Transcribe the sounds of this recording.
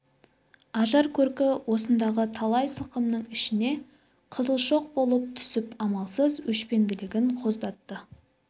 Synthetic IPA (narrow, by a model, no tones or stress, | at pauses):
ɑʒɑɾkʲʰɵɾkʲɪwʔo̞sənd̪ɑʁət̪ʰɑlˠɑjsəlˠqəmnəɴɪʃɪne̞ | qʰəzəlˠʃo̞q̚bo̞lˠəp̚t̪ʰʏ̥sɪpɑmɑlˠsəzwɵʃpe̞ŋɡ̪ʲɪlɪɡʲɪɴqʰo̞zd̪ɑt̪ːə